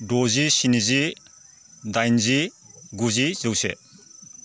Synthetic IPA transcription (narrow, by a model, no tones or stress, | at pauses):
dozisinizi | dajnzi | ɡuzizɯwsḛ